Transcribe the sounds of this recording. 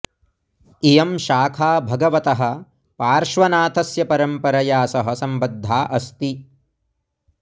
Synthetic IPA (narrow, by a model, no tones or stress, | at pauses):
ijɐmʃaːkʰaːbʱɐɡɐʋɐt̪ɐɦɐ̆ | paːɾʃʋɐnaːt̪ɐsjɐpɐɾɐmpɐɾɐjaːsɐɦɐ̆sɐmbɐd̪ʱːaːʔɐst̪i